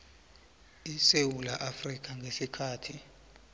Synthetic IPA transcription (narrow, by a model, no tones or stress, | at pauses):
isewulaʔafrik̬ʼaŋɡʱesikʰaːtʰi